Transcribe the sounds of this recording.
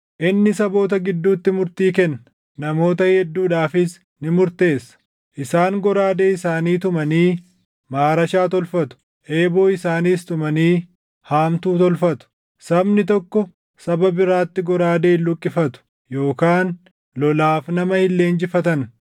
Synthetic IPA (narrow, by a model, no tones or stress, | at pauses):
ʔɪnːɪsɐbo̞ːt̪ɐɡɪd̪ːuːt̪ːɪmʊɾt̪iːkɛnːɐ | nɐmo̞ːt̪ɐhɛd̪ːuːᶑaːfɪs | nɪmʊɾt̪e̞ːsːɐ̥ | ʔɪsaːŋɡɔɾaːd̪eːɪsaːniːt̪ʊmɐniː | maːɾɐʃaːt̪ɔlfɐt̪ʊ̥ | ʔe̞ːboːɪsaːniːst̪ʊmɐniː | haːmt̪uːt̪ɔlfɐt̪ʊ̥ | sɐbnɪt̪ɔkːɔ | sɐbɐbɪɾaːt̪ːɪɡɔɾaːd̪e̞ːlːʊkʼːɪfɐt̪ʊ̥ | jo̞ːkaːn | lɔlaːfnɐmɐhɪlːe̞ːnd͡ʒɪfɐt̪ɐn